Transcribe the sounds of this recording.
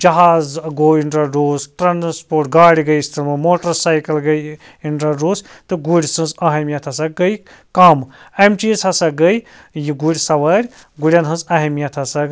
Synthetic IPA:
d͡ʒɐɦaːzɡoːiɳʈɐɖoːzʈɾanspoːɾʈ̚ɡaːɽiɡɐjist̪ʰɐɾmɐmoːʈɐsaːjkɐlɡɐj | iɳʈɾɐɖoːst̪ɨɡuɽʲisɐ̃nzɐɦɐmijɐt̪ʰɐsɐɡɐj | kamemt͡ʃisʰɐsɐɡɐj | jiɡuɽʲisɐʋɐɾʲ | ɡuɽʲjɐnɦɐnzɐɦɐmijɐt̪ʰɐsɐɡ

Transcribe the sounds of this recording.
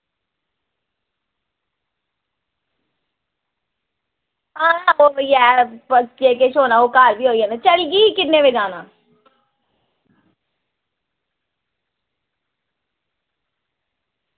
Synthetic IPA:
aːnaoːjɛːpəd͡ʒeːkeʃoːnaːoːkaːɾbʱiːɦoːiɦɛnat͡ʃəliɡiːkɪneʋed͡ʒaːnaː

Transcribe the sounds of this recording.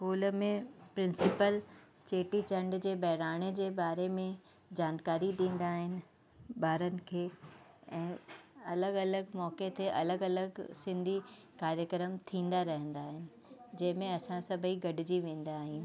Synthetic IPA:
skuːlmẽpɾɪ̃nsɪpəl | t͡ɕeːʈit͡ɕɐ̃ɳɖd͡ʑeːbɛɦɾaːɽ̃ed͡ʑeːbaːɾemẽ | d͡ʑaːnkaːɾiɗĩːn̆d̪aːɦɪnɪ̆ | baːɾənɪ̆kʰeːɛ̃ːɐləɡɐləɡmɔːket̪ʰeʔɐləɡɐləɡsɪ̃nd̪ʱi | kaːɾjəkɾəmt̪ʰĩːn̆d̪aɾɐɦə̃nd̪aːɦɪnɪ̆d͡ʑɐ̃ɦɪ̃mẽɐsãsɐbʱəiɡɐɖɪd͡ʑiʋẽːn̆d̪aːɦĩːnɪ̆

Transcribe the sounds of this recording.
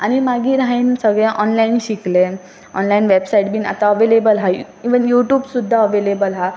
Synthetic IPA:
aɽ̃imaɡiːɾaɦiːnsəɡɭɛ̃ʔɔnlainɕikle | ɔ̰nlainʋebsaiʈ̚biːna̰t̪aəʋelebəlɦa | iʋənjuʈjuːbsud̪ʱːaəʋelebəlɦa

